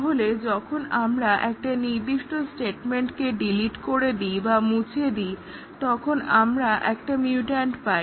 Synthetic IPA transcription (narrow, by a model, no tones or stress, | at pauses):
ɦoled͡ʑɔkʰonamɾaʔɛk̚ʈaniɾd̪iʃʈosʈeʈmeɳʈkeɖiliʈkoɾed̪ibamut͡ɕʰied̪i | t̪ɔkʰonamɾaʔɛkʈamiuʈaɳʈpaj